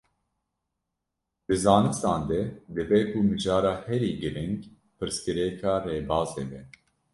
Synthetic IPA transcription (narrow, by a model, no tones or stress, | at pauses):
b̪̥ɨzɑːnɨst̪ɑːnd̪ɛd̪ɨbɛkʰumɨd͡ʒɑːɾɑːhɛɾiːɡɨɾɪŋɡ | pɨɾskɨɾɛkʰɑːreːbɑːzeːbɛ